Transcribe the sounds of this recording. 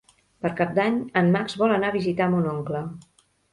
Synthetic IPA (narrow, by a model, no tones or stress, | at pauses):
pəɾkap̚d̪aɲəmmakzβɔlənaβizit̪amunoŋklə